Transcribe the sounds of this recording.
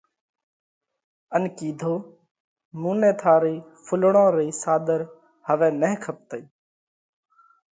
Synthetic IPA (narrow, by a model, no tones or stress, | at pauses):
ənkiːd̪ʱoː | mũːnẽːt̪ʰaːɾiː | fʰʊlɳõːɾiːsaːd̪əɾ | həʋẽːneɦkʰəp̚t̪əiː